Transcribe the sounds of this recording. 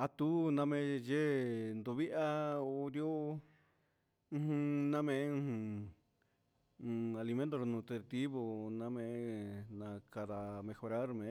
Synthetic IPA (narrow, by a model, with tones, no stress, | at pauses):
a˧t̪u˦nã˧mẽ˧˦ʒe˦nd̪u˧βi˦ʔa˦o˧ɾjo˦˧ | hũ˧nã˦mẽ˧˦ũ˧˦hũ˧ | a˧li˧mẽ˧˦nt̪o˧ɾo˧nũː˧t̪e˧t̪i˦βo˧nã˧mẽ˧˦nã˧ka˧ða˧mẽ˧xo˧ɾa˦ɾmẽ˧˨˦